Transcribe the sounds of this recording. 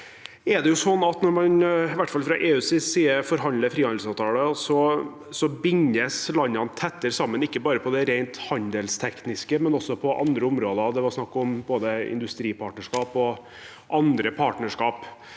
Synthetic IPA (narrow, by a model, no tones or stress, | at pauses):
ɛɖ̪ɛjʊsɔnːɑt̪nɔɾmɑnɪʋæʈːfɑlfɾɑʔeːʉːsisiːəfɔɾɦɑnd̪ləfɾiːhɑnd̪sɑːʋt̪ʰɑːləsɔ | sɔbɪŋəslɑnːɑnt̪ʰɛt̪ːəɾsɑmːənɪkːəbɑːɾəpʰɔd̪ɛɾæɪnt̪hɑnd̪əlst̪ʰɛknɪskəmɛnɔsːɔpʰɔʔɑ̰nd̪ɾəʊmɾoːd̪əɑd̪ɛʋɑɾsnɑkːɔmboːd̪əɪ̰nd̪ʉst̪ɾiːpʰɑːʈnəʂkɑːpɔ | ʔɑnd̪ɾəpʰɑːʈnəʂkɑːp